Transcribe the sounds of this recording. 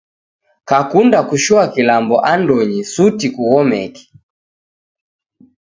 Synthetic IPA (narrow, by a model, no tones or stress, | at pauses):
kakundakuʃuakilambɔʔandɔɲisutikuwɔmɛ̰ki̥